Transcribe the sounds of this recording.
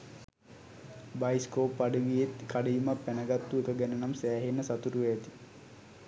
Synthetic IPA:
bajskoːpːaɖiʋijet̪kʰaɖijumapːænəɡat̪ːuekəɡænənamsæːɦenːəsat̪uɾuʋɛjːt̪i̥

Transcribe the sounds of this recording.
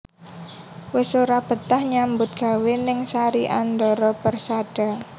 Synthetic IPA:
wɪsoɾab̥ə̤t̪ahɲambʊt̪̚ɡ̥a̤wenɪŋsaɾiʔand̪ɔɾɔpərsaɖ̥a̤

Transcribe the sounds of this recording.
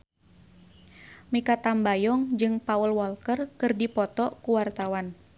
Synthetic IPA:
mikat̪ambajɔŋd͡ʒɨŋpaəlwɔlkərkɨrdipɔt̪ɔkuwart̪awan

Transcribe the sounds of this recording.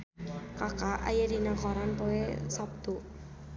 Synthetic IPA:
kakaʔa̰jəɾinakɔɾanpoesap̚t̪u

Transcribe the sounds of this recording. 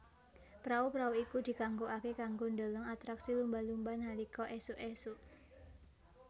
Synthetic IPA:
pɾaupɾauikud̪̥i̤kaŋɡoʔakekaŋɡond̪olɔŋat̪ɾaksilumbalumbanhalikɔʔɛsuʔɛsuʔ

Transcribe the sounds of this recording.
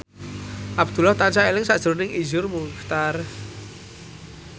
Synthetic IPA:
ʔab̚d̪̥ṳlaht̪ant͡ʃaelɪŋsaʔd̥ʒ̥ɾonɪŋizʊrmukt̪ar

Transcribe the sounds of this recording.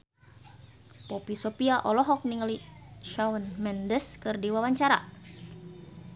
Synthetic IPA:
popisopiaʔɔlɔɦɔk̚niŋliʃawɔnmɛndəskɨrdiwawaɲt͡ʃaɾa̰

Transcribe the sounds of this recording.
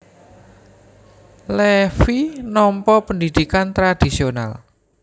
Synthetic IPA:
lɛfinɔmpɔpənd̪id̪̥ikant̪ɾad̪̥isiona̰l

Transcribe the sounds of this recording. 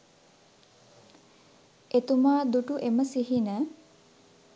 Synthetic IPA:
et̪umaːd̪uʈuʔeməsiɦinə

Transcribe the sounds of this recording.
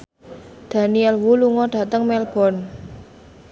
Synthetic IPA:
d̪̥a̤niɛlwuluŋɔɖ̥a̤t̪əŋmɛlb̥ɔ̤n

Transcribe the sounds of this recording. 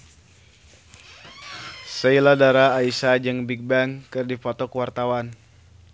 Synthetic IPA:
səiladaɾaːisad͡ʒɨŋbik̚baŋkɨrdifɔt̪ɔkuwart̪awan

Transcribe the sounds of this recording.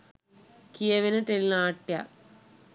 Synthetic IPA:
kijɐʋinɐʈelinaːʈːja̰

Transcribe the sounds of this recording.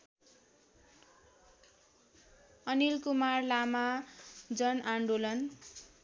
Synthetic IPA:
ʌnilkumarlamad͡zʌnaɳɖulʌn

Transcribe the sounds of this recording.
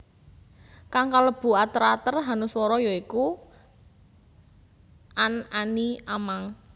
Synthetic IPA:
kaŋkaləb̥ṳat̪əɾat̪ərɦanʊswɔɾɔjɔiku | ʔananiamaŋ

